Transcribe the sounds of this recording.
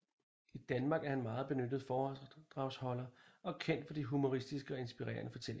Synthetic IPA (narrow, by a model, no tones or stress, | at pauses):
id̥ænmɑ̈ːɡ̥æɐhænmɑ̈ːð̞̩ˠb̥e̝nød̥ð̞̩ˠfɒːd̥ʁɑ̈ʊshɒ̽l̰ɐɒ̽kʰen̰d̥fɒ̽d̥iɦumo̝ʁisd̥isɡ̥əɒ̽e̝nsb̥iʁɛ̰ːɐ̰nəfɒ̽t͡sʰel̰e